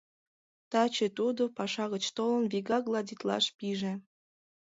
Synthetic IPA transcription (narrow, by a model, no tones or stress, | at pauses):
t̪ɑt͡ɕet̪ud̪opɑʃɑɣət͡ɕt̪olənβiɣɑɣlˠɑdʲit̪lɑ̰ʃpiʒe